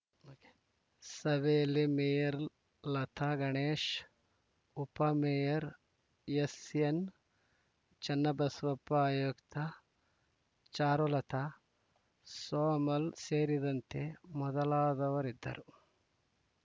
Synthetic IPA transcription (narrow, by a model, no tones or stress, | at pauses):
oːke̥ | sɐʋeːlːimejɐɾ | lɐt̪ʰɐɡɐɳeːʃ | upɐmejɐɾ | jesjen | t͡ʃɐnːɐbɐsʋɐpɐaːjokt̪ʰɐ | t͡ʃaːɾolɐt̪ʰɐ | soːmɐlseːɾid̪ɐnt̪emɔd̪ɐlaːd̪ɐʋɐɾid̪ːɐ̰ɾʔu